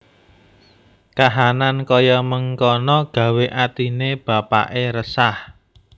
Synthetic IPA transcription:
kaɦanankɔjɔməŋkɔnɔɡ̥ä̤weʔat̪ineb̥a̤pa̰ʔeɾəsah

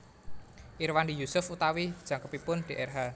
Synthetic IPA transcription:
ʔirwandijusʊfut̪awi̥ʒ̥a̤ŋkəpipʊnɖ̥e̤ʔɛrɦa

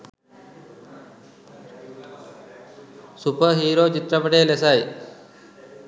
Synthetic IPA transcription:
supəɦiːɾoːt͡ʃit̪ɾɐpəʈeːlesaj

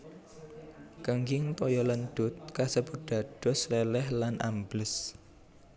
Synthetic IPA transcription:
kəŋɡɪŋpɔjɔlənd̪̥ʊt̪̚kasəbuɖ̥a̤d̥ɔ̤slelɛhlanʔamblɪs

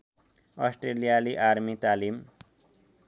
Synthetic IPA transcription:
ʌsʈrelijaliʔaɾmit̪alim

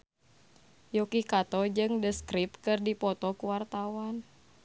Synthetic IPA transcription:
jɔkikat̪ɔd͡ʒɨŋdəskɾipkɨrdipɔt̪ɔkuwart̪awan

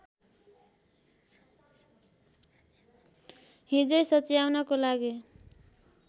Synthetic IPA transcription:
ɦĩd͡zʌjsʌt͡sijawnʌkolaɡe

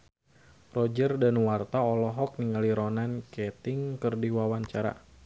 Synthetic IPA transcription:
rɔd͡ʒərdanwart̪aɔlɔɦɔk̚niŋaliɾɔnankɛt̪ɪŋkɨrdiwawaɲt͡ʃaɾa̰

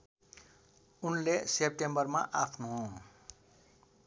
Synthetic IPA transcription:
unlesep̚ʈembʌrma̰ʔakʰnuɦ

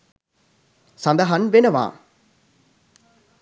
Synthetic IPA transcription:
sɐnd̪ɐɦɐnʋenɐʋa̰ː

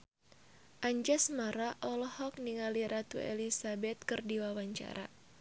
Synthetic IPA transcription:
ʔaɲd͡ʒasmaɾaʔɔlɔhɔk̚niŋaliɾʔat̪uɛ̰lisabɛt̪̚kɨrdiwawaɲt͡ʃa̰ɾa̰

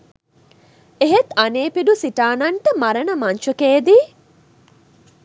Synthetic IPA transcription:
eɦet̪ɐneːpiɖusiʈaːnɐɳʈɐmɐɾɐnɐmɐnʃukeːd̪iː

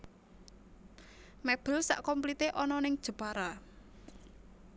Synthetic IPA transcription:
mɛb̥əlsa̰ʔkɔmplit̪eʔɔnɔnɪŋd̥ʒ̥ə̤b̥aɾa

